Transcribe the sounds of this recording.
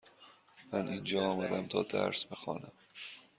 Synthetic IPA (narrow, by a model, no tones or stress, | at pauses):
mænʔiːnd͡ʒɒːɒːmæd̪æmt̪ʰɒːd̪æ̰ɾsbexɒ̰ːnæm